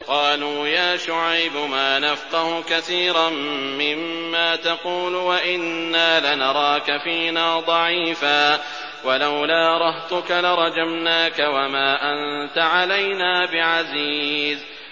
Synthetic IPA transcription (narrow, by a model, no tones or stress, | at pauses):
qɑːluːjaːʃʊʕajbʊmaːnafqɑhʊkaθiːɾamːɪmːaːt̪ɑquːlʊwaʔɪnːaːlanɑɾˤɑːkafiːnaːd̪ˤɑʕiːfaː | walawlaːɾˤɑht̪ʊkalaɾˤɑd͡ʒamnaːkawamaːʔant̪aʕalajnaːbɪʕaziːz